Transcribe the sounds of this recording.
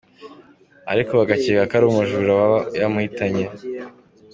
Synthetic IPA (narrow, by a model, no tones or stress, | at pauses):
a̰ɾiko̞βaɡacikakaɾuːmuʒuɾawajamuhitaɲe̞